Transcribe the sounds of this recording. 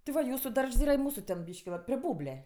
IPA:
tʲɪ ˈʋɐ ˈjuːsʊ ˈdɐrʃs ˈiːrɐ ɪ ˈmuːsuː tʲɛn ˈbʲiːʃʲkʲɪ ʋɐ pʲrʲɪ ˈbuːbʲlʲɛ

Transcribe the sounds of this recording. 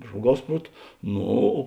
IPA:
ˈʒmuɔˌɡɐʊs ˈpruɔt ˈnoː

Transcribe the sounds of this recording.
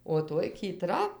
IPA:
oː ˈtoːj kʲiːˈtrɐ

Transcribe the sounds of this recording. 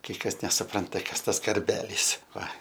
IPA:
kɐɪ ˈkɐs nʲɛsʊˈprɐntɐ ˈkɐs ˈtɐs kɐrʲˈbʲæːlʲiːs ˈʋɐ

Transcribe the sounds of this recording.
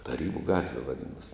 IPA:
tɐˈrʲiːbʊ ˈɡɑːtʲʋʲɛ ʋɐˈdʲɪnoːsʲ

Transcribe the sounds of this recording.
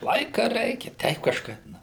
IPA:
ˈlˠɐɪkɐ ˈrʲɛɪkʲɛ ˈtʲɛɪp kɐʃˈkɐɪp ˈnɐ

